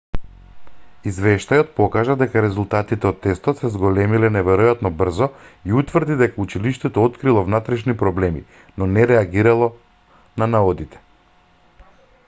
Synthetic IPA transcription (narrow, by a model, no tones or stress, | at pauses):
izvɛʃt̪ajɔt̪̚pɔkaʒad̪ɛkaɾɛzulˠt̪at̪it̪ɛot̪ːɛst̪ɔt̪sɛzɡɔlɛmilɛnɛvɛɾɔjat̪nɔbr̩zɔiut̪vrɾd̪id̪ɛkaut͡ʃiliʃt̪ɛt̪ɔot̪kɾilˠɔvnat̪ɾɛʃnipɾɔblɛmḭ | nɔnɛɾɛaɡiɾalˠɔ | nanaɔd̪it̪ʰɛ̥